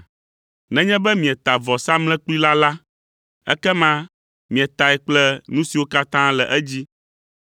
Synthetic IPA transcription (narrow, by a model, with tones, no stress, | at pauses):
nɛ̃˨ɲɛ̃˦bɛ˦mĩ˨ɛ˨t̪a˨vɔ˨sa˦mlɛ̃˦k͡pi˦la˦la˦ | ɛ̰˦kɛ˦mã˦ | mĩ˨ɛ˨t̪a˨ɛ˨k͡plɛ˦nũ˦si˨wo˦ka˦t̪ã˦lɛ˨ʔɛ˦d͡ʑi˦